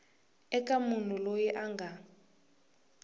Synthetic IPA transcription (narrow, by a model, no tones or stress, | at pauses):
ɛkʼamun̤ulojiʔaŋɡʱa